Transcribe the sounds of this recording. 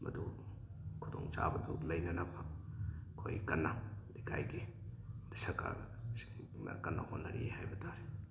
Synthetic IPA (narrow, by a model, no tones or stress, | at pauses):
mɐ̰du | kʰudoŋt͡ʃa̰bɐdulɐjnɐnaba | kʰojkɐnːadikʰajɡidisɐka̰si̥ŋ | na̰kɐnːa̰honːɐɾihajbɐtaɾi